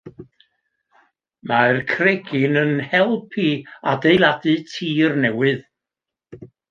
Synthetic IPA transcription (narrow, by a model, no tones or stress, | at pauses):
markʰrɛɡɪnənhɛlˠpʰiadejlˠadɨtʰiːrnɛwɨð